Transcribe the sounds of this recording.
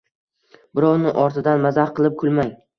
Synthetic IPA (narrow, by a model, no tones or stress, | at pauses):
bɪɾɒwnɪʔɒɾt̪ʰɪd̪anmazahqɨlˠɪp̚kʰʊlˠmaj